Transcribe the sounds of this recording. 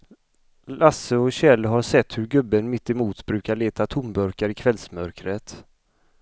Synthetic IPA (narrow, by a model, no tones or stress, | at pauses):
lasəɔɕɛlːɦaʂɛt̪ːhɵɾɡɵbːənmɪt̪ːɪmuːt̪bɾʉ̟ːkaɭeːt̪at̪ʰʊmbœɾkaɾɪkʰvɛlsmœɾkɾət̪